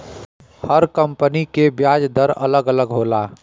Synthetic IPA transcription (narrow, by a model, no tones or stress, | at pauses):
həɾkəmpənikebjad͡ʒd̪əɾə̰ləɡələɡɦola